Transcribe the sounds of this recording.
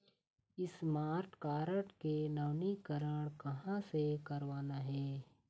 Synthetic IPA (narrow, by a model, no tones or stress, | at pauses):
ɪsmaːɾʈkaːɾəʈkenɐːnikəɾəɽ̃kɐɦãsekɐɾʋaːnaɦɛː